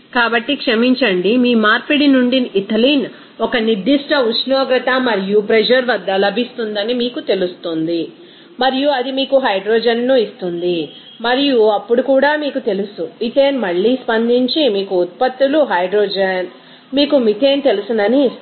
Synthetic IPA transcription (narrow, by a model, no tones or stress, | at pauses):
kaːbɐʈːikʂɐmiɲt͡ʃɐɳɖimiːmaːɾpiɽinuɳɖiit̪ɐliːn | ɔkɐniɾd̪iʂʈɐut͡ʃnɔːɡɾɐt̪ɐmɐɾijupɾed͡ʒɐɾʋɐd̪ːɐlɐbʱist̪und̪ɐnimiːkut̪e̞lust̪und̪i | mɐɾijuɐd̪imiːkuɦɐjɖɾoːd͡ʒɐnːuist̪und̪i | mɐɾijuɐpːuɽukuːɽaːmiːkut̪e̞lusumit̪eːnmɐɭːiːspɐnd̪iɲt͡ʃimiːkuːt̪̚pɐt̪ːuluɦɐjɖɾoːd͡ʒeːn | miːkumit̪e̞ːnt̪e̞lusund̪ɐni